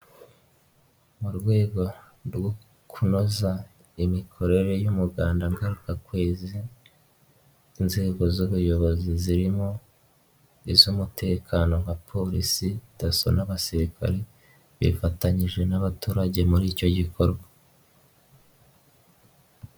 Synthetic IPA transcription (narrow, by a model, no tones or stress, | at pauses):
muɾɡwe̞ːɡo̞ | ɾwo | kʰuno̞za | imikʰo̞ɾe̞ɾe̞jumuɡaːndaŋɡaɾukakwe̞ːzi | nze̞ːɡo̞zuβujo̞βo̞ziziɾimo̞ | izumute̞ːkʰano̞ŋɡapʰo̞ɾisidaso̰naβasiɾika̰ɾe̞ | βḭfataɲiʒe̞naβatuːɾaɟe̞muɾiːco̞ɟiko̞ɾɡwa